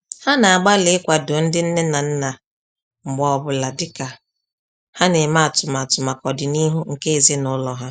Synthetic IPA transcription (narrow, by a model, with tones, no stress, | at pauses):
ha˦na˨a˨ɡ͡ba˦lɪ˨˦ɪ˦kʷa˨dʊ˨n̩˦dɪ˦n̩˦ne˦na˨n̩˦na˨ | ŋ͡m̩˨ɡ͡bɔ˨ɔ˨bʊ˨la˨dɪ˦ka˨ | ha˦ne˨ma˦˨tʊ˨ma˨tʊ˨ma˨kɔ˨dɪ˨ni˦ɦu˦ŋ̩˨ke˦e˨ze˦nʊ˦lɔ˨ɦa˦